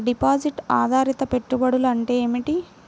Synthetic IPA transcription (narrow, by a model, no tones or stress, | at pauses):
ɖipaːd͡ʒiʈaːd̪ʱaːɾit̪ɐpe̞ʈːubɐɽulɐɳʈeːmiʈi